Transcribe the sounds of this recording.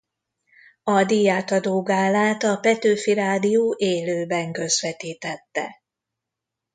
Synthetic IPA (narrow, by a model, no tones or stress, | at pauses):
ɒd̪ijaːt̪ɒd̪oːɡaːlaːt̪ɒpɛt̪øːfiɾaːd̪ijoːʔeːløːbɛŋkø̞zʋɛt̪iːt̪ɛt̪ːɛ̰